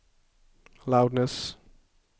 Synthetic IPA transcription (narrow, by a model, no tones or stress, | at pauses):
laʊɖnəs